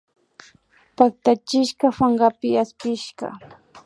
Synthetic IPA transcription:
pak̚t̪at͡ʃɪʃkɑfaɴɢapɪaspɪʃɢɑ̰

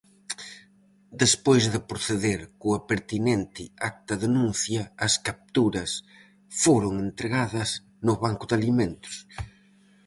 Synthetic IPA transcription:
d̪espojzðɪpɾoθeðeɾkʊɐpeɾt̪inent̪ɪak̚t̪ɐðenũnθjɐːskap̚t̪uɾɐs | foɾʊŋent̪ɾeɣaðɐz | nʊβaŋkʊðaliment̪ʊ̥s

